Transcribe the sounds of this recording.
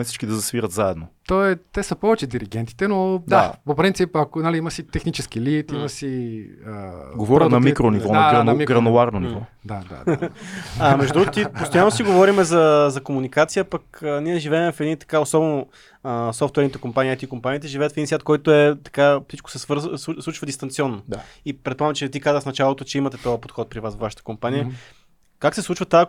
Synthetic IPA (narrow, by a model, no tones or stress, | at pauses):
ɛfsi̥ʃkid̪ɐzɐsviɾət̪zaɛd̪not̪ɔɛt̪ɛsəpɔvɛt͡ʃɛd̪iɾiɡ̟ɛnt̪i̥t̪ɛnod̪apopɾint̪sipɐkonaliimɐsit̪ɛxnit͡ʃɛsk̟ilit̪imɐsiəɡovɔɾənɐmikɾonivɔnɐɡɾɐnmiɡɾɐnoaɾnonivɔ | d̪ad̪a̰d | amɛʒdd̪ɾuɡt̪ipost̪ojanosiɡovɔɾimɛzɐzɐkomunikat̪sijəpɐkəniɛʒivɛɛmɛfɛd̪nit̪ɐ̥kaosɔbɛno | əsɔft̪wɛɾnit̪ɛkompaniat̪ikompaniːt̪ɛʒivɛːət̪fd̪insvʲat̪̚kɔjt̪oɛt̪ɐ̥kafsit͡ʃko̥sɛsvəɾzsˠuslˠut͡ʃvəd̪ist̪ɐnt̪siɔnːoaipɾɛt̪pamt͡ʃɛt̪ikazəxfnɐt͡ʃalˠot̪ot͡ʃɛimɐt̪ɛt̪ɔjəpot̪xɔt̪̚pɾivasvvaʃə̥t̪ə̥kompanijə | kaksɛslˠut͡ʃvət̪a